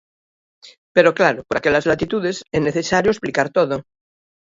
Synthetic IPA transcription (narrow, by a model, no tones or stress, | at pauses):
peɾoklaɾopoɾakeʎazlat̪it̪uðeseneθesaɾjoesplikaɾt̪oðo